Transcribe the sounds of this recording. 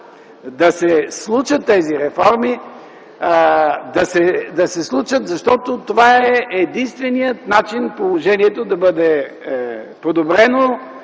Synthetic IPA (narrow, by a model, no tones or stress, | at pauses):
d̪ɐsɛslˠuʃət̪ːɛziɾɛfɔɾmi | d̪ɐsɛd̪ɐsɛslˠut͡ʃət̪zɐʃt̪ɔt̪ot̪ovaɛʔɛd̪inst̪vɛnijət̪nat͡ʃinpolˠoʒɛniɛt̪od̪ɐbɤd̪ɛ | pod̪obɾɛno